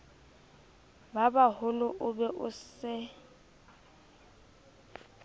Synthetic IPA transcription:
babahʊlʊʔʊbɛʔʊsɪ

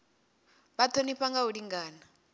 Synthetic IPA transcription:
batʰoniɸaŋɡaudiŋɡaːna

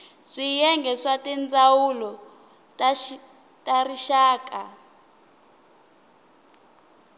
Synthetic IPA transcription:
ʂijɛŋɡʱɛswatɛnd͡zawulɔ | t | tariʃaːkʼa

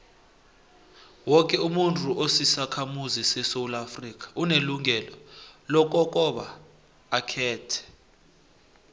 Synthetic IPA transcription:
wɔk̬ʼɛumuntʰʼuʔosisakʰamuzisɛsowlafrik̬ʼḁʔuneluŋʱɛlɔlɔk̬ʼɔk̬ʼɔɓa̰ː | kʰɛːtʰɛ̥

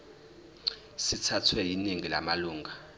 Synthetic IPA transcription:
sitʰatʰwɛjiniŋila̰maluːŋʱa

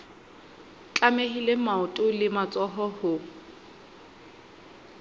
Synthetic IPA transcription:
t͡ɬʼamehilemaʊtʼʊlɪmat͡sʼɔɦɔhʊ

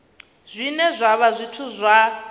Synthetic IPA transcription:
zʷinɛzʷaβazʷitʰuzʷa

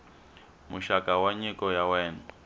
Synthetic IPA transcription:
muʃakawaɲikɔjawɛːnɔ

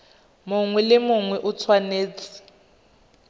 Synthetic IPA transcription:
muŋwɛlɪmuŋwɛʔut͡sʰwaneːt͡sʰʼi̥

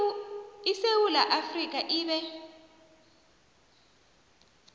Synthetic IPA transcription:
isewulaʔafrik̬ʼaʔiːβɛ

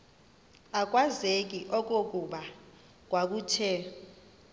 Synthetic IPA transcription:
ak̬ʼwazek̬ʼiʔɔk̬ʼok̬ʼuɓa | k̬ʼwak̬uːtʰɛ

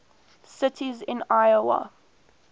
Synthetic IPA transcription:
sɪtʰizɪ̃najəwa̰

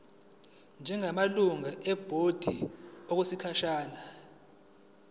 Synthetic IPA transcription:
nd͡ʒʱɛŋamaluŋaʔɛb̥ʱod̥ʱiɔk̬esikʰaʃaːna

